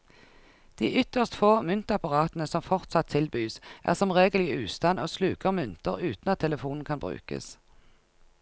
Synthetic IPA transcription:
d̪̥iːʔʏt̪əʁst̪foːmʏnt̪əɑpɑʁɑːt̪nəsɔmfɔʁt̪sɑt̪ʰɪlbyːsʔæ̰ːʁsɔmʁeːɡəlɪʉːst̪ɑnʔoːslʉːkəʁmʉnt̪əʁʉːt̪n̩ɑt̪ʰːɛləfuːnn̩kʰɑnbʁʉ̰ːkə̰s

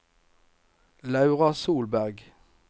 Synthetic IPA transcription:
lɑʉʁɑsuːlbæʁɡ

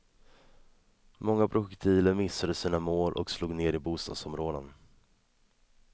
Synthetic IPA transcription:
mɔŋːapʰɾʊɧɛkt̪ʰiːləɾmɪsːad̪əsiːnamoːlʔɔ̰ksluːɡneːɾɪbuːst̪ɑ̰ːd̪sɔmɾoːd̪ən

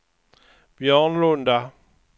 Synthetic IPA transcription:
bjɔŋ̩londa

